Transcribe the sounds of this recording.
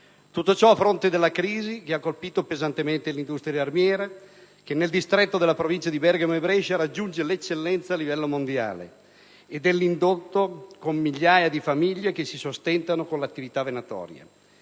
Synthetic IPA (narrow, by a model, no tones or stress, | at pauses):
t̪ut̪ːot͡ʃɔafːɾont̪ed̪elːakɾiːzikeakːolpiːt̪opezant̪ement̪elind̪ust̪ɾjaaarmjɛːɾa | k̟enːeld̪ist̪ɾɛt̪ːod̪elapɾovint͡ʃad̪ibɛrɡamebɾɛʃaɾad͡ʒːund͡ʒelet͡ʃːelːɛnt̪saːlːivɛlːomond̪ja̰ːlḛ | ed̪elːind̪ot̪ːokomːiʎːaːjad̪ifamiʎːek̟esisost̪ɛnt̪anokonlat̪ːivit̪avenat̪ɔ̰ːɾja̰